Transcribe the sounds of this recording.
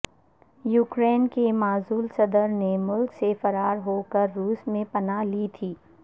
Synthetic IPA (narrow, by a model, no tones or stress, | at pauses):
juːkɾeːnkemaːzuːlsɐd̪əɾnemʊlksefɐɾaːɾɦoːkəɾːuːsmẽpɐnaliːt̪ʰiː